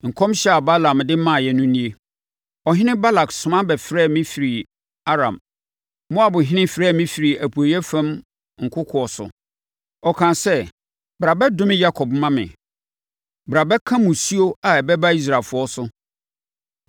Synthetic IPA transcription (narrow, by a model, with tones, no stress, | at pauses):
ŋ̩˨kʰɔ̃˦mɕɛ˦a˨ba˦lã˨m˨dɪ˦mã˦˨jɛ˨nʊ̃˦nĩ˦e˦ | ɔ˨ɦɪ̃˦nɪ̃˦ba˦la˨ksʊ̃˨mã˦bɛ˨fɾɛ˦˨mɪ̃˦fi˨ɾi˨ | a˦ɾã̰˨m | mʊ̃˦a˨bʊ̃˨ɦɪ̃˦nɪ̃˦fɾɛ˦˨mɪ̃˦fi˨ɾi˨æ˨pʰu˨o˨jɛ˦fã˦m | ŋ̩˨kʰʊ˦kʰɔ˨ɔ˨sʊ̰˨ | ɔ˨kʰã˨nsɛ˦ | ba˨bɛ˦dʊ̃˦mɪ̃˦ja˦kʰɔ˨bmã˦mɪ̰̃˨ | bɾa˨bɛ˦kʰã˦mʊ̃˨si˦o˦a˨ɛ˨bɛ˦ba˦i˦s̬ɾaː˨fʊ˦ɔ˦sʊ˦